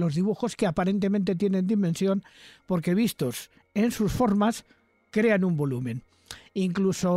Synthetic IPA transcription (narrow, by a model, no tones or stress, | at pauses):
lo̞zðiβ̞uxo̞skeapaɾe̞nt̪emẽ̞nt̪et̪jenẽ̞nd̪imẽnsjo̞npo̞ɾkeβ̞ist̪o̞s | e̞nsusfo̞ɾmas | kɾe̞anumbo̞lumẽ̞n | iŋkluso